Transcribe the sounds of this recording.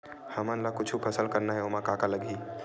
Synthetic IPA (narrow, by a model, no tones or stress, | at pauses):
hɐmãnlakʊt͡ʃʰupʰɐsəlkɐɾnaɦɛomakakalɐɡiː